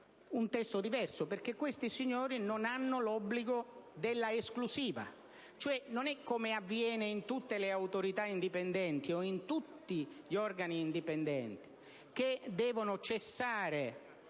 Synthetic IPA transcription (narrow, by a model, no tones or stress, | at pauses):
unt̪ɛst̪od̪ivɛrsoperk̟ekːwest̪isiɲːoːɾinonanːʊlɔbːliɡod̪elːaesklusiːva̰ | t͡ʃoɛnonɛkːomeavːjɛːneint̪ut̪ːeleawt̪oɾit̪aind̪ipend̪ɛnt̪ioint̪ut̪ːiʎɔrɡaniːnd̪ipend̪ɛnt̪i̥ | k̟ed̪ɛːvonʊt͡ʃesːaːɾe